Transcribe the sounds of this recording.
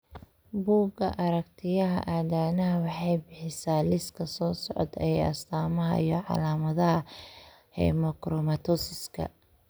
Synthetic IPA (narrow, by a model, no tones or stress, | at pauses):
buːɡɐ̰ʔɐɾɐkt̪ʰɪjɐɦɐ̰ʔaːðaːnɐɦɐwɑħɑjbɪħɪsaːlɪskʰɐsɔːsɔʕɔd̪ɛ̰ɛjjɐ̰st̪ʰaːmɐɦɐ̰ijɔʕɑ̰laːmɐðɐɦɐ | hɛ̰mɐkɾɔmɐt̪ʰɔsɪskʰɐ̰